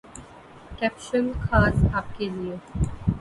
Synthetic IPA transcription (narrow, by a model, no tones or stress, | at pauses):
kɛp̚ʃə̃nkʰaːsap̚kelie